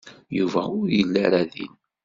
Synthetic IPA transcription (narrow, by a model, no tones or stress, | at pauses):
juvæʊɾjəlːaɾaðḭn